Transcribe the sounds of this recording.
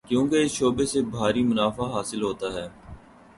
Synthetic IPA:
kjũːkeɪsʃoːbesebʱaːɾimʊnaːfaɦaːsɪlɦoːt̪aːɦɛː

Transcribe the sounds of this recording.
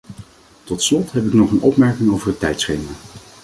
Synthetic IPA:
tɔtslɔtɦɛpɪknɔχənɔ̰pmɛɹkɪŋowvəɹɦətːɛjtsχejmə

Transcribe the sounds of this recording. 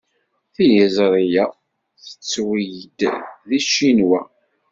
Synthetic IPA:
θijəzɾˤijæ | θə̥t͡sːwijd̪ðiʃinwæ

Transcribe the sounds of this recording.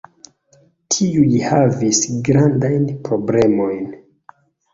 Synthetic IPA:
tʰiulihavisɡɾandajnpɾo̞ble̞mo̞jn

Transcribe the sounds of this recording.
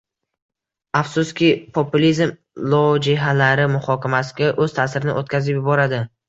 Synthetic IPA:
afsʊskʲɪpʰopʊlizm | lˠod͡ʒɪɦalaɾɪmʊχɒkʲʰamasɪ̥ɡʲaʔɵz̥t̪ʰaːsɪɾɪnɪ̰ʔot̪̚kʲʰazɪpjɪbɒɾad̪ɪ

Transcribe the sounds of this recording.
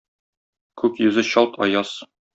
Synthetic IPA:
kʉkjʉzɘɕɒlˠt̪ʰɒ̰jɑs

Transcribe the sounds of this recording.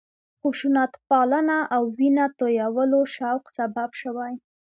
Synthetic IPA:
xuʃunat̪pɑlənaʔawːinat̪ojawəloʃawqsababʃəwaj

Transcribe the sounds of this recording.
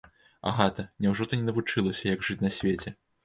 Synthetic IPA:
a̰ɣat̪ɐnʲawʐɔt̪ɐnʲɛnɐvut͡ʂɨlˠɐsʲɐjɐɡʐɨt͡sʲnɐsʲvʲet͡sʲɛ

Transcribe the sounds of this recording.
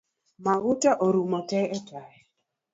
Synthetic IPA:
mawʊtaʔoɾumɔtɛɛtaɛ

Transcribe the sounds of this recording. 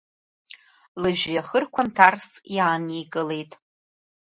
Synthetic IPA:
lɨʒᶣjaχərkʷʰantʰarsjaːnejkʼɨle̞jtʼ

